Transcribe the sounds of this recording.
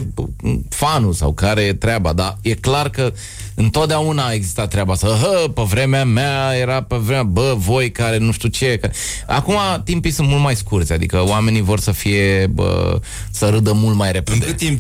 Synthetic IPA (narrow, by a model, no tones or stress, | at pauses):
fanusa̰wkaɾe̞t̪ɾeabad̪aje̞klarkə | ɨnt̪ot̪d̪eaunaːe̞ɡzi̥st̪at̪ːɾeabasəɦəpevɾe̞meamajeɾapevɾemabəvo̞jkaɾe̞nuʃt̪ut͡ʃe̞ka | a̰kumat̪impijsɨnt̪mult̪̚majskurt̪sʲad̪ḭkəwame̞nivo̞rsəfije̞bə̰ | səɾɨd̪əmult̪majɾe̞pedeɨt̪ːim